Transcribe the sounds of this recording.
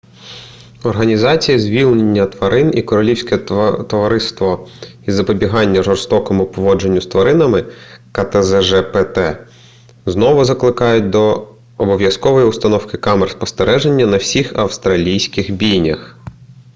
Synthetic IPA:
ɔrɦɐnʲizɑt͡sʲijizʲʋʲilʲˠnenʲːɐt̪ʋɐɾɪnikɔɾɔlʲiwsʲkɛt̪ɔʋɐɾɪst̪ʋɔizɐpɔbʲiɦɑnʲːɐʒɔrst̪ɔkɔmʊpɔʋɔd͡ʒenʲːʊst̪ʋɐɾɪnɐmɪkɐt̪ezɛʒɛpɛt̪ɛ | znɔʋʊzɐklˠɪkɑjʊt̚ʲd̪ɔː | bɔʋjɐskɔʋɔjiʊst̪ɐnɔwkɪkɑmerspɔst̪eɾɛʒe̞nʲːɐnɐwsʲixɐwst̪ɾɐlʲijsʲkɪxbʲijnʲɐx

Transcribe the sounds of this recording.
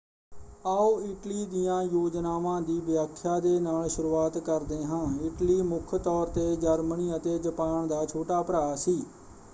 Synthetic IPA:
aːoːɪʈliːd̪ijãːjoːd͡ʒnaːʋãːd̪iːbjaːkʰːjaːd̪eːnaːlʃʊɾuːaːt̪kəɾd̪eːɦãːɪʈliːmʊkʰt̪ɔːɾt̪eːd͡ʒəɾməniːət̪eːd͡ʒəpaːɳd̪aːt͡ʃʰoːʈaːpəɾaːsiː

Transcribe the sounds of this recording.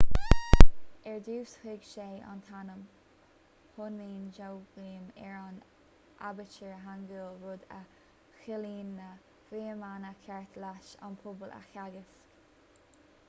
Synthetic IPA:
ɛɹd̪uːshɪɡʃeːʔa̰nt̪ʰanəm | hʊnːiːnd͡ʒowɡiːmɛɹan | ʔabət͡ʃəɹəɦanɡəlɹʊd̪ə | xɪliːnːə | fiːəmanəkʰɛɹt̪ʰlaʃa̰npʰʊbəla̰xaɡəsk

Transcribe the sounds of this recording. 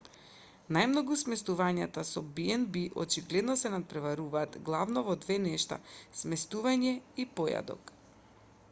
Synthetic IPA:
najmnɔɡusmɛst̪uvaɲat̪asɔbiɛnbiʔɔ̰t͡ʃiɡlɛd̪nɔsɛnat̪̚pɾɛvaɾuvaːt̪ɡlˠavnɔvɔd̪vɛnɛʃt̪a̰smɛst̪uvaɲɛipɔja̰d̪ɔ̰k

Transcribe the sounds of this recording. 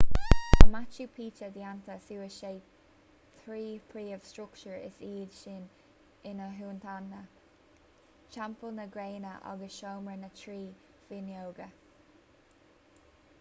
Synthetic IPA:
mat͡ʃupʰiːt͡ʃəd̪iant̪əsuːəʃeː | θʰɾiːpʰɹiːəv̥stɹʊkt͡ʃəɹɪ̰siːdʃɪn | ɪnəɦuːnt̪ʰanːə | t͡ʃampəlnəɡɹeːnəʔa̰ɡəsʃoːmɹənətʰɹiː | finjoːɡə

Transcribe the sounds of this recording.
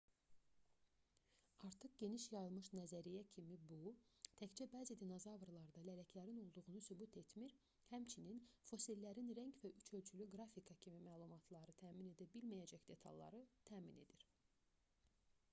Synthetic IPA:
ɑɾt̪ʰɯχɟe̞niʃjɑjɯlˠmɯʃnæzæɾijæcʰimibut̪ʰæçt͡ʃʰæbæːzid̪ino̞zɑvɾlˠɑɾd̪ɑlælæcʰlæɾino̞lˠd̪uʁunusybut̪ʰe̞t̪miɾ | hæmt͡ʃʰininfo̞silːæɾinɾæɲɟvæʔyt͡ʃʰø̞lʲt͡ʃʰylyɡɾɑfikʰɑcʰimimæːlˠumɑt̪ʰlˠɑɾɯt̪ʰæːmine̞d̪æbilmæjæd͡ʒæcd̪̥e̞t̪ʰɑ̰lˠːɑ̰ɾɯt̪ʰæːmine̞̰d̪iɾ̥

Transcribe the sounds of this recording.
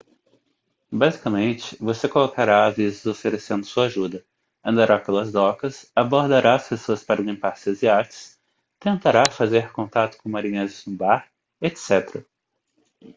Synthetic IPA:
bazikɐmẽnt͡ʃɪ̥vosekolokaɾaːzvizɪzofeɾesẽnd̪ʊsuɐaʒud̪ɐ | ɐ̃nd̪aɾapelɐzd̪ɔkɐsaboɾd̪aɾʔaɐspesoɐspaɾɐlĩmpaɾsiɐziat͡ʃɪ̥s | t̪ẽnt̪aɾafazeɾkõnt̪at̪ʊ̥kõmaɾĩɲẽzɪznʊbaɾ | et̪sɛt̪eɾɐ

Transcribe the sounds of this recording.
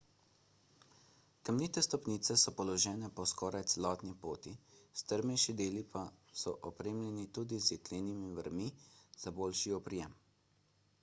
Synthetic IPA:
kəmniːt̪ɛst̪ɔpniːt̪sɛsɔpɔlɔʒɛːnɛpɔskɔːɾajt̪sɛlɔːt̪nipoːt̪ist̪əɾmɛjʃid̪eːlipasɔʔɔpɾeːmlʲɛnit̪uːd̪izjɛkleːnimiʋəɾmiz̥aboːlʃiɔpɾijɛm

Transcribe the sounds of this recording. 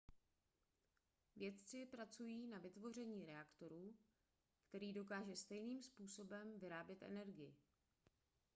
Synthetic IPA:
vjɛt̪t͡sɪpɾat͡sujiːnavɪt̪vo̞r̝ɛɲiːɾɛakt̪o̞ɾuː | kt̪ɛɾiːdo̞k̬aːʒɛst̪ɛjniːmspuːso̞bɛmvɪɾaːbjɛt̪ʔɛ̰nɛɾɡɪjɪ

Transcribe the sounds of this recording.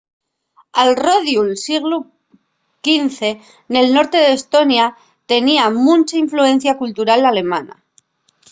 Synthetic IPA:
alro̞ðjulsiɣlu | kinθe̞ | ne̞lno̞ɾt̪e̞ðest̪o̞nja | t̪e̞niamũnt͡ʃaiɱflue̞n̟θjakult̪uɾalale̞mãna̰

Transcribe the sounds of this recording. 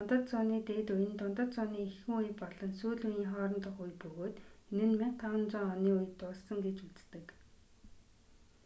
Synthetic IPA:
ɔnt̪ə̆t̪t͡sɔniːt̪eːt̪ujɘ̆nt̪ʊnt̪ə̆t̪̚t͡sʊniːixɘŭŋujpɔɮɞ̆nsuːɮujiːŋχɔːɾə̆nt̪ə̆χujpɵɣoːt̪enɘ̆nmeŋt̪ʰːawə̆nt͡sɔŋɔniːujt̪ːʊːɮsə̆ŋɡet͡ɕut͡st̪ɘ̆k

